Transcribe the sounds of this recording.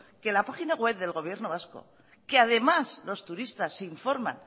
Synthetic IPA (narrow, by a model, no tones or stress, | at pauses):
ke̞lapaxinaɣwe̞βðe̞lɣo̞β̞je̞ɾno̞β̞asko̞̰ | keað̞e̞maslo̞st̪uɾist̪asːe̞iɱfo̞ɾmã̰n